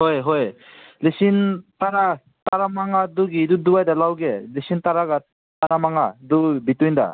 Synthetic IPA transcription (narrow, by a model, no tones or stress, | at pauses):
ɦɔjɦɔjlisintaɾa | taɾamaŋaduɡiduduwajdalawɡelisintaɾaɡa | tanamaŋadubitunda̰